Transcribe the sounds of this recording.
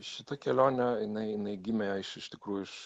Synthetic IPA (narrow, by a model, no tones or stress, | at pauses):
ʃʲɪt̪ɐkʲɛlʲoːnʲɛjɪnɐɪɪnɐɪɡʲɪmʲɛjɐɪʃɪʃʲt̪ʲɪkɾuːjʊɪʃ